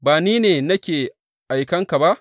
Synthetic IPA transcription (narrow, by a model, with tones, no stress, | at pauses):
baː˨niː˦neː˨nɐ˦kʲeː˨ | ʔa˨jkɐ˦ŋka˨ba˦ʔ